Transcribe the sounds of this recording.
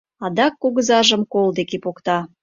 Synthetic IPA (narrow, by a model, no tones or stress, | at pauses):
ɑd̪ɑkːuɣəzɑʒəmkold̪ekepokt̪ɑ